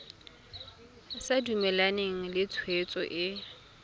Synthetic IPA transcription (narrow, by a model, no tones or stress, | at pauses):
sadumɛlaneŋ̩lɪt͡sʰwet͡sʼɔ̰ʔɪ